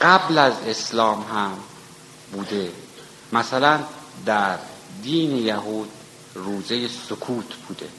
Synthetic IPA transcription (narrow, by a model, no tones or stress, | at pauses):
ɢ̥æblæzeslɒːmɦæm | buːd̪e̞ | mæsælænd̪æɾd̪iːnejæɦuːd̪̚ | ruːzejesokʰuːt̪ʰb̥uːd̪e̞̰